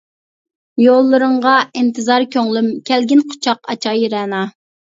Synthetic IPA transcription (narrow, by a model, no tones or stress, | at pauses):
jolˠːɨɾɨɴʁɑint̪ʰɨzɑɾkʲøŋlymkʲʰɛlɡʲinqʰo̥t͡ʃʰɑqɑt͡ʃʰɑjiɾɛnɑ